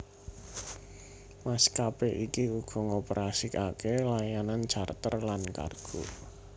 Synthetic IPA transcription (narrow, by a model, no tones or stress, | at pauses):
maskapeʔikiuɡ̥ɔ̤ŋopəɾasikakelajanan̥t͡ʃart̪ərlanka̰rɡ̥o̰